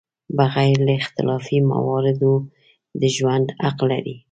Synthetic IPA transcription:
baɣajɾlaɪxt̪ɪlɑfima̰wɑɾɪd̪o | d̪əʒwand̪aqlːa̰ɾi

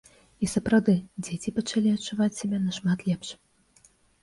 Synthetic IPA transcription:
isɐpɾɐwd̪ɨd͡zʲet͡sʲipɐt͡ʂalʲiɐtt͡ʂːuvat͡sʲsʲɐbʲɛnɐʂmat̪lʲɛpʂ

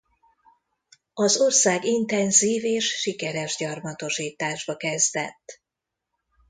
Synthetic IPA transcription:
ɒzo̞rsaːɡint̪ɛnziːveːʃːikɛɾɛʒɟɒrmɒt̪o̞ʃiːt̪aːʒbɒkɛzd̪ɛ̰t̪ː

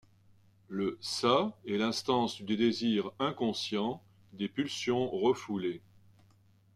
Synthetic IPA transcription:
ləsaɛlɛ̃st̪ɑ̃sd̪ed̪eziʁɛ̃kɔ̃sjɑ̃ | d̪epylsjɔ̃ʁəfule

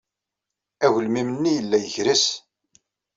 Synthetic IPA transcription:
æʝəlmimənːijəlːæjəçɾəs

